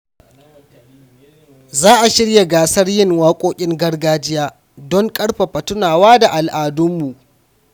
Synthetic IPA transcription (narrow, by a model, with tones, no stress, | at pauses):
zaː˦ʔa˨ʃɪ˦ɽja˨ɡaː˨sɐ˦rjɪ˦ŋwaː˦kʷʼoː˦kʲʼɪ˦ŋɡɐ˦rɡaː˦d͡ʒɪ˦jaː˦ | dɔ˦ŋkʼɐ˦ɽɸa˨ɸɐ˨tʊ˦naː˨waː˦da˨ʔa˨lʔaː˨dʊ˦mːu˨ʔ